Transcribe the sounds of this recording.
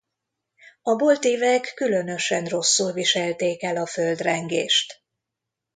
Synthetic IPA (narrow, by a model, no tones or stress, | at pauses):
ɒbo̞lt̪iːvɛkːylø̞nø̞ʃɛnro̞sːulviʃɛlt̪eːkɛlɒfø̞ld̪rɛŋɡḛːʃt̪